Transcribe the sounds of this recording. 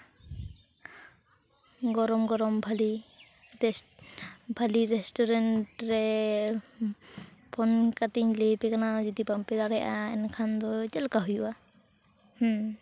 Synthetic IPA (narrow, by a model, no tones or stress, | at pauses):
ɡɔɾɔmɡɔɾɔmbʱali | bʱaliɾɛstɔɾɛntɾɛ | pʰɔnkat̪iɲlepɛkanad͡ʒɔd̪ipampɛd̪aɾɛjʔaɛ̰nkʰand̪ɔd͡ʒɛlkaɦujuʔa | h